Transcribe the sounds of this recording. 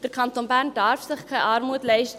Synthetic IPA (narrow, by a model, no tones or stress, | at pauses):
d̥ərkʰɑntonbærndɑrfsɪχkʰɛjʔɑrmuətlɛɪʃt